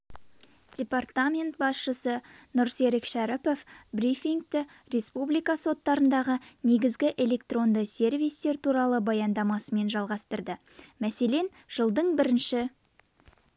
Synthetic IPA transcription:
d̥ʲe̞part̪amʲe̞nt̪̚bɑsʃəsənʊɾse̞ɾɪkʃæɾɪpo̞fbrifʲiŋɡ̚t̪ɪ | rʲe̞spublijkɑso̞t̪ːɑɾənd̪ɑʁəne̞ɡʲɪzɡʲɪʔe̞lʲe̞kt̪ro̞nd̪əse̞rvijst̪e̞ɾt̪uɾɑlˠəbɑjɑnd̪ɑmɑsəme̞nʒɑlˠʁɑst̪əɾd̪ə | mæse̞le̞n | ʒ̥əlˠd̪əɴbɪɾɪnʃɪ

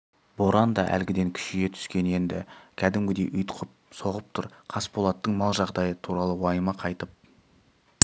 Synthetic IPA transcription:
b̥o̞ɾɑnd̪ɑʔæ̰lɡʲɪd̪e̞ŋkʲʰʏ̥ʃɪje̞t̪ʰʏ̥skʲe̞ne̞nd̪ɪ̰kʲʰæd̪ɪmɡʲɪd̪e̞ʔʏjt̪ə̥qʰəp̚so̞ʁəp̚t̪ʰʊɾqʰɑsbolˠɑt̪ːəɴmɑlˠʒɑʁd̪ɑjət̪ʰuɾɑlˠəwɑjmɑqʰɑjt̪əp̚

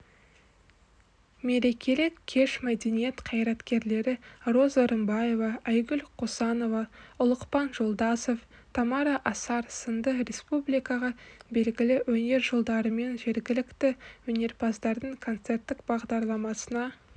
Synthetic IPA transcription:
me̞ɾe̞kʲe̞lɪkʲʰːe̞ʃmæd̪e̞nijet̪qʰɑjɾɑt̪kʲe̞ɾle̞ɾɪro̞zoɾəmbɑje̞vɑæjɡʲʏlqʰosɑno̞vɑʊlˠəqpɑnʒo̞lˠd̪ɑso̞ft̪ʰɑmɑɾɑʔɑsɑɾsənd̪əɾe̞spublijkɑʁɑbe̞lɡʲɪlɪwɵne̞ɾʒolˠd̪ɑɾəme̞nʒe̞ɾɡʲɪlɪkt̪ɪwɵne̞ɾpʰɑsd̪ɑɾd̪əɴkʰo̞nt̪se̞rt̪ːɪkbɑʁd̪ɑɾlˠɑmɑsənɑ

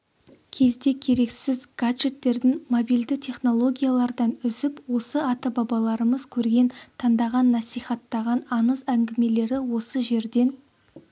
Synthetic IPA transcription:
kʲʰe̞zd̪e̞kʲʰe̞ɾe̞ksɪzɡ̥ad̪ʒe̞t̪ːe̞ɾd̪ɪŋmobijld̪ɪt̪ʰe̞χno̞lˠo̞ɡʲijalˠɑɾd̪ɑnʏzɪpwo̞səɑt̪əbɑbɑlˠɑɾəməzkʲʰɵɾɡʲe̞nt̪ʰɑnd̪ɑʁɑnːɑsijχɑt̪ːɑʁɑnɑnəzæŋɡʲɪme̞le̞ɾɪwo̞səʒe̞ɾd̪e̞n

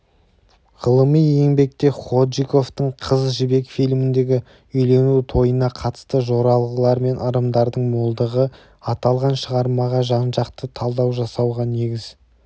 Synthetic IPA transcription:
ʁəlˠəmije̞ŋbe̞k̚t̪e̞χo̞d̪ʒiko̞ft̪əɴqʰəzʒɪbe̞kfijlmɪnd̪e̞ɡʲɪ | ʏjle̞nut̪ʰo̞jənɑqʰɑt̪ə̥st̪əʒo̞ɾɑlˠʁəlˠɑɾme̞nʔɑɾəmd̪ɑɾd̪əɴmolˠd̪əʁə | ɑt̪ɑlˠʁɑnʃəʁɑɾmɑʁɑʒɑnʒɑqt̪ət̪ʰɑlˠd̪ɑwʒɑsɑwʁɑne̞ɡʲɪz̥

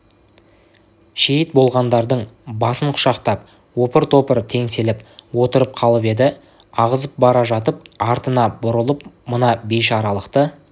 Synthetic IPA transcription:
ʃejɪt̪̚bo̞lˠʁɑnd̪ɑɾd̪əɴbɑsəɴqʰʊ̥ʃɑqt̪ɑp̚ | wo̞pəɾt̪ʰo̞pəɾt̪ʰe̞ŋse̞lɪpwo̞t̪əɾəp̚qʰɑlˠəpe̞d̪ɪ | ɑʁəzəp̚bɑɾɑʒɑt̪̬əp̚ɑɾt̪ənɑbʊɾəlˠəp̚mənɑbejʃɑɾɑlˠəqt̪ə

